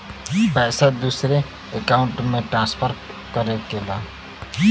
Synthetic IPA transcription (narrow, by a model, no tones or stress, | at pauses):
basad̪usre | ekawɳʈmeʈrãnspʰʌr | kʌɾekela